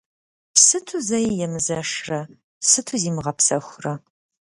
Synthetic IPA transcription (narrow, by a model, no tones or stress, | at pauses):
psɨtʰuzɐjjɛmɨzɐʂrɐ | sɨtʰuziːmɨʁɐpsɐxʷrɐ